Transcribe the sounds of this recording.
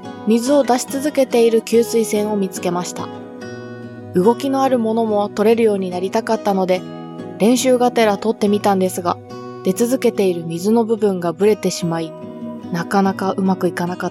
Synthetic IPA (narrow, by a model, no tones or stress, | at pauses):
mʲizɨo̞d̪aɕi̥t͡sɨzɨke̞t̪e̞iɾɯ̟kʲɨːt͡sɨisẽ̞ɰ̃o̞mʲit͡sɨ̥ke̞maɕi̥t̪a̰ | ɯ̟ɡo̞kʲino̞aɾɯ̟mo̞no̞mo̞t̪o̞ɾe̞ɾɯ̟jo̞ːɲ̟inaɾʲit̪akat̪ːano̞d̪e̞ | ɾẽ̞ɰ̃ɕɨːɡat̪e̞ɾat̪o̞t̪ːe̞mʲit̪ãnd̪e̞sɨɡa | d̪̥e̞t͡sɨzɨke̞t̪e̞iɾɯ̟mʲizɨno̞bɯ̟bɯ̟̃ŋɡabɯ̟ɾe̞t̪e̞ɕimainakanakaʔɯ̟makɯ̟ikanakat̪ː